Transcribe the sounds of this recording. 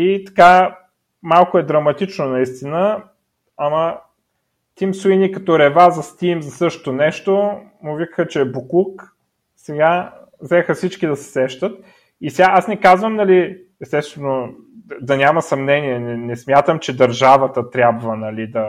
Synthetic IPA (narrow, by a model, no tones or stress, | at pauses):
it̪ɐ̥ka | malˠkoɛd̪ɾɐmɐt̪it͡ʃnonɐist̪inə | ɐmə | t̪imsuinikɐt̪oɾɛvazɐst̪imzɐsɤʃt̪o̥t̪onɛʃt̪omʊvikə̥xət͡ʃɛːbuklˠuk | sɛɡa | zɛxəfsit͡ʃkid̪ɐsɛ̥sɛʃt̪ət̪ | isʲaasnɛkazvəmnɐli | ɛst̪ɛst̪vɛno | d̪ɐnʲaməsɐmnɛniɛnɛnɛsmʲjat̪əmt͡ʃɛd̪ɐɾʒavət̪ət̪ɾʲabvənɐlid̪ɐ